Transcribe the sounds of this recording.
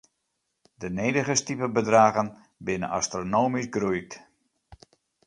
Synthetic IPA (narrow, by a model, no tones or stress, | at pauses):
dənejdəɣəstipəbədraːɣən | bɪnəʔa̰stronoːmizɡrujk̚t